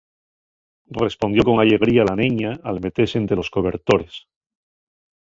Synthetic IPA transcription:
re̞spo̞nd̪jo̞ko̞ŋaʎe̞ɣ̞ɾialanĩɲaːlme̞t̪eɾsent̪ɾe̞lo̞sko̞β̞e̞ɾt̪o̞ɾe̞s

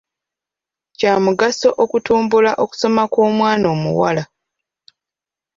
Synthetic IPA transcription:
caːmuɡaso̞ʔokutuːmbulaʔoku̥so̞makoːmwaːno̞ːmṵwa̰la

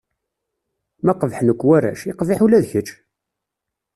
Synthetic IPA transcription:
mæqəvħnəkʷːwæɾæ̰ʃiqviħulæðçət͡ʃː

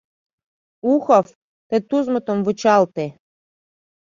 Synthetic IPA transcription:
uxɔf | t̪et̪uzmə̆t̪omvɨ̆t͡ɕɑlt̪e

